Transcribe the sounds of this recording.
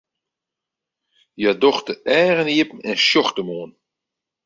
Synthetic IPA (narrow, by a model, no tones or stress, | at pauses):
jadoxtəɛːɣəniəpn̩ɛnʃjɔxtəmoːn